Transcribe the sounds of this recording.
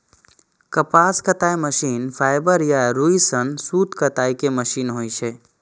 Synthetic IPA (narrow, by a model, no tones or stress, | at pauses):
kəpaːskət̪aːjməʃiːnpʰaːɪbəɾjaɾuisənsuːt̪kət̪aːikeməʃiːnɦoːit͡ʃʰe